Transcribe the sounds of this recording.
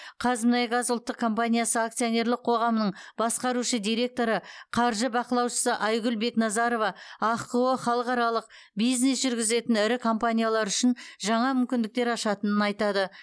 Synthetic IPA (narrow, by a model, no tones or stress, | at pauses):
qʰɑzmnɑjɡɑzʊlˠt̪ːəq̚kʰːo̞mpanʲijasəakt̪sio̞ne̞ɾlɪq̚qʰo̞ʁɑmənəɴbɑsqɑɾuʃəd̪ijɾe̞k̚t̪o̞ɾəqʰɑɾʒəbɑqəlˠɑwʃə̥səʔɑjɡʲʏlbe̞knɑzɑɾo̞vɑɑqəwəχɑlˠəqɑɾɑlˠəq̚ | bijzne̞sʒʏɾɡʲɪze̞t̪ɪnɪɾɪkʰo̞mpanʲijalˠɑɾʏʃɪnʒɑɴɑmʏmkʲɪnd̪ɪkt̪e̞ɾɑʃɑt̪ənənɑjt̪ɑd̪ə